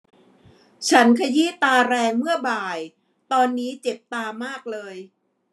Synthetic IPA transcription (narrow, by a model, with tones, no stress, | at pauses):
t͡ɕʰa˦˥nkʰa˧jiː˥t̪aː˧ɾɛː˧ŋmɯ˥˩ɐbaː˨˩j | t̪ɔː˧nːiː˦˥t͡ɕe˨˩p̚t̪aː˧maː˥˩k̚lɤː˧j